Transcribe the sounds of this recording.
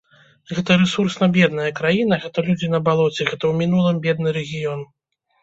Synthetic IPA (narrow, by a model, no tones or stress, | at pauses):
ɣɛt̪ɐɾɛsursnɐbʲɛd̪nɐjɐkɾajinɐɣɛt̪ɐlʲud͡zʲinɐbalˠɔt͡sʲɛɣɛt̪ɐwmʲinulˠɨmbʲɛd̪̚nɨɾɛɣʲijɔn